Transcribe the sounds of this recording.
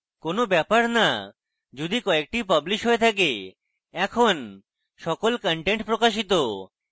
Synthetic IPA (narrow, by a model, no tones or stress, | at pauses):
konobɛpaɾna | d͡ʒud̪ikɔek̚ʈipɐbliʃɦoet̪ʰak̬e | ɛkʰon | ʃɔkolkəɳʈeɳʈpɾokaʃit̪o